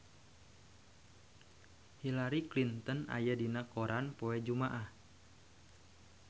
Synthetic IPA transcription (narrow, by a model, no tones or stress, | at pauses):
hilaɾiklint̪əna̰jadinakoɾʔanpoɛd͡ʒumaʔah